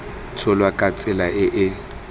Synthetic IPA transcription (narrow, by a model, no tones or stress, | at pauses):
t͡sʰʊlwakʼat͡sʼɪlaʔɪʔɪ